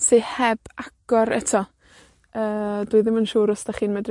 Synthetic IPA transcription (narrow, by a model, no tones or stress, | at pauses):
sehɛb̥aɡ̥ɔɾɛtʰɔ | əːd̥wiɨðɪmənʃuːɾʊsd̥aχiːnmɛdr